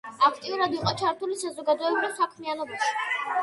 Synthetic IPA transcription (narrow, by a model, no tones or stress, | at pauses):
akʰt̪ʼiuɾad̪iqʼɔt͡ʃʰaɾt̪ʰulisazɔɡad̪ɔɛbɾivsakʰmɛanɔbaʃi̥